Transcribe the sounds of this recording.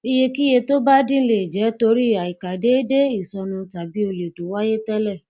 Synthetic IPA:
i˧je˧ki˦je˧to˦ba˦dĩ˦le˨d͡ʒɛ˨˦to˧ɾi˦a˨i˨ka˨de˨˦de˦i˦˨sɔ˧nũ˧ta˨bi˨˦o˧le˨do˨˦wa˦je˦tɛ˦lɛ˦˨

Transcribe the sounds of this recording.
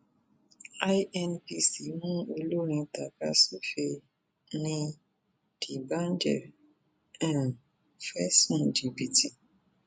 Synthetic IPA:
a˦jʔɛ˨npi˨si˨mũ˦o˧lo˦ɾĩ˧ta˨ka˦su˦fe˧ | nĩ˧ | d̥i˨ba˦n˦d͡ʒɛ˨ɾ | ɛ˨n˨ | fɛ˦sɔ̃˦˨ndi˨pi˨ti˨

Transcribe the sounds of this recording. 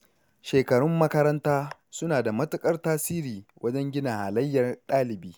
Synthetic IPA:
ʃeː˨kɐ˨ɽʊ˦mːɐ˦kɐ˦ɾɐ˦ntaː˦sʊ˦naː˨da˨mɐ˦tʊ˦kʼɐ˦rtaː˦siː˦ɾiː˨wʔɐ˦d͡ʒɛ˦ŋɡʲɪ˦na˨haː˨lɐ˦jːɐ˨rɗaː˦lɪ˨biː˦

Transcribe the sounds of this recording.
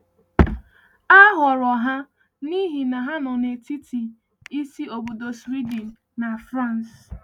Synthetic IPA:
a˦ɦɔ˨ɾɔ˨ɦa˦ | ni˦ɦi˨na˨ɦa˦nɔ˨ne˨ti˦tʰi˨ | i˦si˦o˨bo˨do˨sɾi˦di˨n̩ː˨a˨fɾa˦˨n˨s

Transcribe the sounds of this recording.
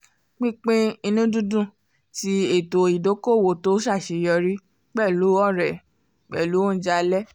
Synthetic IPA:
k͡pĩ˦k͡pẽ˦i˧nũ˦dũ˦dũ˦˨ | ti˦e˦˨to˨i˨do˨˦ko˦˨wo˨to˨˦ʃa˦˨ʃe˨˧jɔ˧ɾi˦ | k͡pɛ˦˨lu˨˦ɔ˦˨ɾɛ˨ | k͡pɛ̰˦˨lu˨˦õ˦˨˦d͡ʒa˧lɛ˦

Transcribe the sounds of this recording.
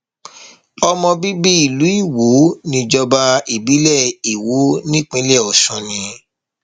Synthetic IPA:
ɔ˧mɔ̃˧bi˦bi˦i˦˨lu˨˦i˦˨wo˨˦nĩ˧d͡ʒɔ˧ba˧i˨bi˨˦lɛ˦˨i˨wo˨˦nĩ˦k͡pĩ˦lɛ˦˨ɔ˨ʃɔ̃˨˧nĩ˧

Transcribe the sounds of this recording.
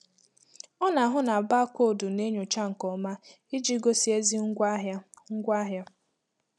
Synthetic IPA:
ɔ˦na˨ɦʊ˦na˨a˨ba˦kʷo˦˨dʊ˨ne˦ɲo˨t͡ʃa˦ŋ̩˨kɔ˨ma˦ | i˦d͡ʒi˦ɡo˦si˦e˦zi˦ŋ̩˦ɡʷa˦ɦja˦ | ŋ̩˦ɡʷa˦ɦja˦

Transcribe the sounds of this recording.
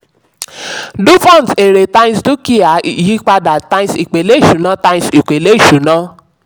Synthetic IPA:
du˦fã˦˨n˨te˨ɾe˨tã˦ĩ˦stu˦ki˦a˨˦˨ji˦k͡pa˧da˨tã˧ĩ˦si˨k͡pe˨le˦i˦˨ʃũ˨˦nã˨˦tã˧ĩsi˨k͡pe˨le˦i˦˨ʃu˨˦nã˨˦

